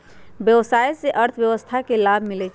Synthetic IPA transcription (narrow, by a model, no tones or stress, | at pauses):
bjəwsajseʔəɾt̪ʰbjəwəst̪ʰakelabʱmilɛt͡ʃʰ